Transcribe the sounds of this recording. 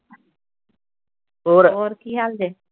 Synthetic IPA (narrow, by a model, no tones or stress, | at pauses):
oːɾoːɾkiːɦaːld̪eː